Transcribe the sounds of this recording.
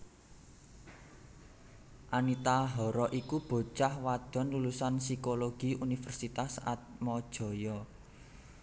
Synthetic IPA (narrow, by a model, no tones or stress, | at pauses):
ʔanit̪aɦɔɾɔʔikub̥o̤t͡ʃahwad̪̥ɔ̤nlulusansikoloɡ̥i̤unifərsit̪asa̰t̪̚mɔd̥ʒ̥ɔ̤jɔ